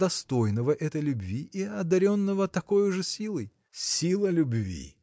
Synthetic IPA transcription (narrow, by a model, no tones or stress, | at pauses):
ɐst̪o̞jnəvəʔɛt̪əjlʲʊbvʲiiɐd̪ɐɾʲo̞nːəvət̪ɐko̞jʊʐɨsʲilˠɨj | sʲilˠəlʲʊbvʲḭ